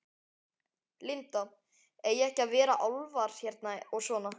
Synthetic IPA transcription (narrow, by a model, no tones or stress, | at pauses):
lɪnt̪a | ejɛhcɪaðvɛːɾaʔawlvaɾ̥çɛɾt̪naɔɣsvɔːna